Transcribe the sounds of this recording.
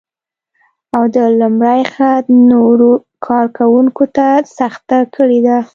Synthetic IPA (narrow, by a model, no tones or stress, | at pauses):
awd̪əlumɽajxat̪noɾokʰɑɾkawuŋkot̪asaxt̪akʰəɽed̪a